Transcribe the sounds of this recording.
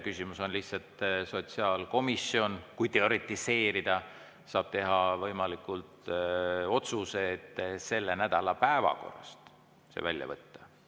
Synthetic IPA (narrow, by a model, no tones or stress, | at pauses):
kysʲimuso̞nlihtsɑlt̪so̞t̪siɑːlko̞misio̞nkujt̪e̞o̞ɾit̪ːˑise̞ːɾid̪̥ɑ | sɑːb̥̚t̪e̞ɦɑvɤjmɑlikːˑult̪ | o̞t̪suset̪se̞lːenæd̪̥ɑlɑpæevɑ̰ko̞̰rːɑ̰st̪ | sḛvælʲjɑ̰vɤt̪ːɑ̥